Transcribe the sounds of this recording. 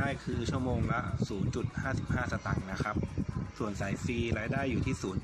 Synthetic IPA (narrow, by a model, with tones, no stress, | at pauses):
aː˥˩jkʰɯː˧t͡ɕʰu˥˩əmoː˧ŋla˦˥suː˩˦nt͡ɕu˨˩t̪̚haː˥˩si˨˩p̚haː˥˩sa˧t̪a˨˩ŋna˦˥kʰɾa˦˥p̚su˨˩ənsa˩˦jfiː˧ɾaː˧jdaː˥˩jːuː˨˩iː˥˩suː˩˦n